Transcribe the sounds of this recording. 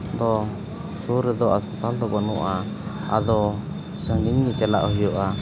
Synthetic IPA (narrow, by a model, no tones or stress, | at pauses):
d̪ɔ | suɾɛd̪ɔaspɛt̪ald̪ɔbɔnuʔa | a̰d̪ɔ | səŋiɲnit͡ʃɛla̰ʔɔɦijɔʔa